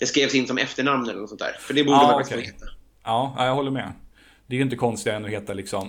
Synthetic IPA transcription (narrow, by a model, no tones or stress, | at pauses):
d̪̥ɛskɾeːvsɪnːsɔmɛft̪əɳamnɛlːənɔsɔnt̪ʰæ̰ːɾfœɖɛbuːəɾaskʰɛheːt̪ːa | ɑːa̰jaɦɔlːəɾmɛ̰ | d̪ɛæɾjʏɪnt̪əkʰɔnst̪ɪɡaɛnɔheːt̪alɪksɔm